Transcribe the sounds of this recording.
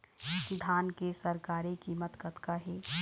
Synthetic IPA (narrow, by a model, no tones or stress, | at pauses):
sɪd̪ʱaːnkesɐɾkaːɾekiːmət̪kət̪kaɦɛː